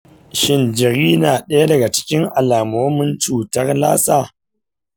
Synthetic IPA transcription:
ʃɪ˦nd͡ʒɪ˨ɾiː˦naː˨ɗɐ˦ja˦dɐ˨ɡa˨t͡ʃɪ̥˦kʲɪ˦ŋʔa˨laː˨moː˦mɪ˦nt͡ʃuː˨tɐ˦rlaː˦saː˦˨

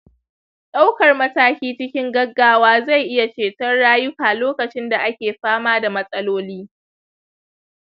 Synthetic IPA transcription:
ɗa˦wkɐ˨rmɐ˦taː˦kʲiː˦t͡ʃɪ˦kʲɪ˦ŋɡɐ˦ɡːaː˦waː˦za˦˨jʔɪ˦ja˨t͡ʃeː˨tɐ˦rɽaː˦jʊ˦kaː˨loː˦kɐ˨t͡ʃɪ˦nda˨ʔa˦kʲeː˨ɸaː˦maː˦da˨mɐ˦sʼɐ˦loː˦liː˦

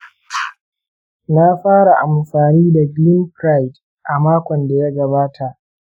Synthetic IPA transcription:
na˦ɸaː˦ɽa˨ʔa˨mɸaː˨niː˦da˨ɡlɪ˦mkɾa˦jt | ʔa˨maː˦kʷɔ˨nda˨ja˦ɡɐ˨baː˦tʰa˨ʔ

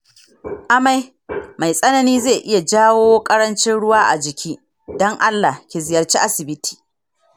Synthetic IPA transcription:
ʔa˦ma˦j | ma˨jsʼɐ˦nɐ˨niː˦ze˦˨ʔɪ˦ja˨d͡ʒaː˦woː˦kʼɐ˦ɾɐ˦nt͡ʃɪ˦nɽʊ˦waː˦ʔa̰˨d͡ʒɪ˨kʲʰiː˦ | dɔ˦ŋʔa˦lːa˨hkʲe˨zɪ˨jɐ˨rt͡ʃiː˦ʔa˦sɪ˨bɪ˦tʰi̥ː˨

